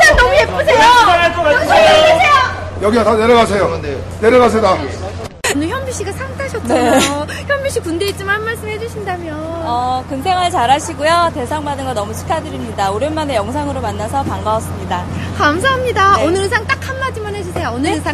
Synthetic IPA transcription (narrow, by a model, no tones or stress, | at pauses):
t͡ɕannʌmujep͈usʰejoanatoaaɯejo | jʌɡiataneɾjʌɡas̬ʰejokɯnde | neɾjʌɡasʰeda | onɯɭçjʌmbiɕ͈ʰiɡasʰaŋtʰaɕʰʌt̚t͡ɕnae | çjʌmbiɕ͈ikunde̞it̚t͡ɕ͈imanmaɭs͈ɯmɦed͡ʑuɕʰindamjʌʌkɯŋsʰe̞ŋɦaɭt͡ɕaɾaɕʰiɡojote̞sʰaŋmadɯnɡʌnʌmut͡ɕʰi̥kʰadɯɾimɲidaoɾjɯnmane̞jʌŋsʰaŋɯɾomanːasʰʌpaŋɡaʌs͈ɯmɲidakamsʰaɦamɲidaonɯɾɯsʰaŋt͈akʰanːad͡ʑimanɦed͡ʑisʰejoonɯɯsʰaŋ